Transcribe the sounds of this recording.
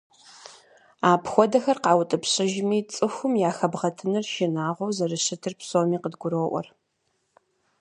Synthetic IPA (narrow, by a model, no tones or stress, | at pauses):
aːpxʷɔdɐxɐrqɑːwʊtʼɨpɕɪʒmiːt͡sʼɨxʷʊmjaːxɐbʁɐtʰɨnɨrʃɪnaːʁʷɔwzɐrɨɕɨtʰɨrpsoːmiːqədɡʷʊɾoːʔʷɔ̰r